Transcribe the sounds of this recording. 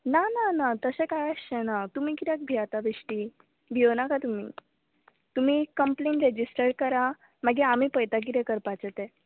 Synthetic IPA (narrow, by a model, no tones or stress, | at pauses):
nananat̪əsɛ̃kajəsɛnat̪um̤ikit̪ak̚bʱiat̪abiʂʈi | bʱionakat̪um̤ḭː | t̪um̤ikəmplẽɳʈɾed͡ʑisʈəɾkəɾa | maɡiam̤ipəjt̪ak̬it̪ɛ̃kəɾpat͡sət̪ɛ